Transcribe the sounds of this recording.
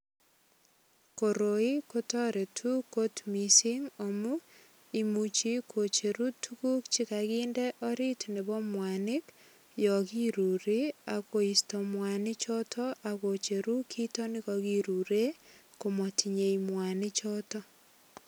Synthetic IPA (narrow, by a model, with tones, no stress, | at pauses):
ko˨ɾo˨i˦kotɔ˦ɾe˨tʰu˦ko˦tmisi˦ŋo˨mu | imut͡ʃi˦kʰo˨t͡ʃe˨ɾutʰuku˦kt͡ʃi˦kaɣiːndeʔo˦ɾi˦tne˨βɔ˦mwanɪ˦k | jɔ˨ki˦ɾu˨ɾi˦a˨ko˨i˨stomwanɪ˦t͡ʃɔ˦tʰɔʔako˨t͡ʃe˨ɾu˦kʰi˦to˦ni˦koɣiɾu˨ɾe˦ | komo˨tʰi˨ɲe˨imwa˨nɪ˦t͡ʃɔtɔ˦